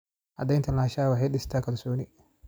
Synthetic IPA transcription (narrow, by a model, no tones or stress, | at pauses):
ʔɐd̪ɛjnt̪ʰɐnlaːʃaːwɑħɑjɖɪst̪ʰaːkʰɐlsɔːnɪ